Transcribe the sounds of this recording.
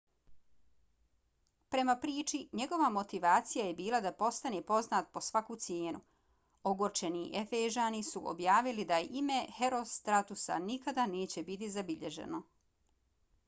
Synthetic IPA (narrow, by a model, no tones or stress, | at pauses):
pɾe̞mapɾiːt͡ʃiɲe̞ɡo̞ʋamo̞t̪iʋaːt̪sijaje̞biːlˠad̪apo̞st̪anepo̞znaːt̪̚po̞sʋakut̪sjeːnu | oɡoɾt͡ʃe̞niʔefeʒaːnisuʔo̰bjaːʋilid̪ajeʔime̞heɾo̞st̪ɾat̪usa̰nikad̪ane̞ːt͡ɕebit̪̬izabiʎe̞̰ʒḛno̞